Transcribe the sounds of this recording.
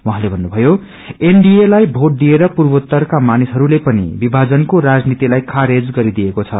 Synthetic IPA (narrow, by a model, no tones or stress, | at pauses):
wʌɦãlebʱʌnːubʱʌjo | eɳɖijelajbʱoʈ̚d̪ieɾʌpurbʌt̪ːʌrkamanisɦʌɾulepʌnḭbibʱad͡zʌnkoɾad͡znit̪ilajkʰaɾed͡zɡʌɾid̪ijekot͡sʰʌ̰